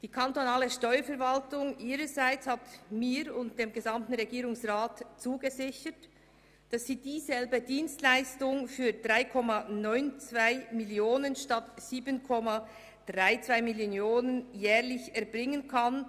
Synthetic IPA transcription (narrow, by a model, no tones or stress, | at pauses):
d̥iːkʰantonaːləʃtɔʏəfɛɾvaltʊŋʔiːɾəzaɪt͡shatmiːɾʊntd̥eːmɡɛzamtn̩ʁɛɡiːɾʊŋsʁaːtt͡suːɡəzɪçət | d̥ɑsːiːdiːzɛlbədiːnstlaɪstʊŋfyːd̥ʁaɪkʰɔmanɔʏnt͡svaɪmɪljoːnənʃtatz̥iːbənkʰɔma | d̥ʁaɪt͡sv̥aɪmiljoːnənjɛːʁlɪçɛɐbʁɪŋənkʰan